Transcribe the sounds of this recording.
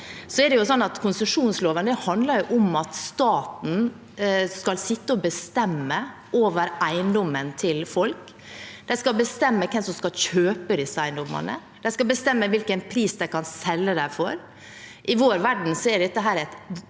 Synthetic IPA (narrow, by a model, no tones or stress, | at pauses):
sɔɛɖɛjʊsɔnːɑt̪kʰʊnsəʂuːnsloːʋənəhɑnd̪lɑɾjʊʔɔmɑt̪st̪ɑːt̪n̩ | skɑlsɪt̪ːəɔbəst̪ɛmːə | ʔoːʋəɾæɪnd̪ɔmːənt̪ʰɪlfɔlk | d̪̥ɛɪskɑlbəst̪ɛmːəkʰɛmsɔmskɑlçøːpəd̪ɪsəæɪnd̪ɔmːɑ̰nə̰ | d̪ɛɪskɑlbəst̪ɛmːəʋɪlkənpʰɾiːsd̪æɪkɑnsɛlːəd̪æfɔɾ | ʔɪʋoːɾʋæɖɳ̩sɔɛɖɛt̪ːəɦæːɾɛt̪